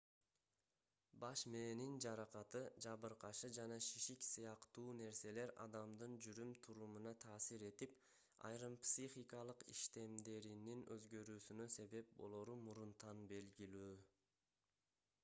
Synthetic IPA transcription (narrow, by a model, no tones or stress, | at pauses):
bɑʃmeːnind͡ʒɑɾɑqɑt̪ɯd͡ʒɑβɯɾqɑʃɯd͡ʒɑnɑʃiʃiksɯjɑqt̪uːne̞ɾse̞le̞ɾɑ̰d̪ɑmd̪ɯnd͡ʒyɾymt̪ʰuɾumunɑt̪ʰɑːsiɾe̞t̪ip | ɑ̰jɾɯmpsʲiχikɑlˠɯqḭʃt̪e̞md̪e̞ɾininøzɡø̞ɾyːsynøse̞βe̞p̚bo̞̰lˠoɾumuɾunt̪ɑnbe̞lɡilyː